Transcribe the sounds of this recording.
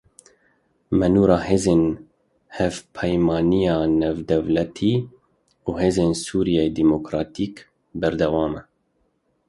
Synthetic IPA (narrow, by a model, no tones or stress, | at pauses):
mɛnuːɾɑːheːzeːn | hɛvpʰɛjmɑːnijɑːnɛvd̪ɛvlɛt̪ʰiː | uːɦeːzeːnsuːɾijeed̪imokɾɑːt̪ʰiːk | bɛɾd̪ɛwɑːmɛ